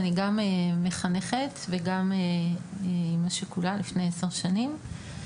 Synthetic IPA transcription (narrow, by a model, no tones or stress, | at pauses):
niɡameme̞χane̞χetveɡame | imaʃekulalifnejeseʁʃanim